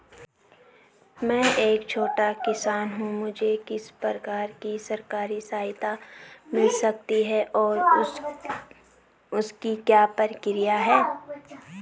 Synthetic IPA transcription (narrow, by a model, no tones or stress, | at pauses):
mɛ̃ːʔeːkt͡ʃʰoːʈakɪsaːnɦũmʊd͡ʒʱekɪspəɾkaːɾkisɐɾkaːɾisaːɦɪt̪amɪlsɐk̚t̪iɦɛʔɔːɾ | ʊskikjaːpɐɾkɪɾijaɦɛː